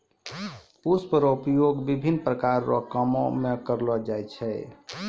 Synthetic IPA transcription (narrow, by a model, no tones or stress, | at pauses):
uspəɾoupjoɡbibʱinːpɾəkaɾːɔ̰kəmɔmekəɾlɔd͡ʒajt͡ʃʰɛ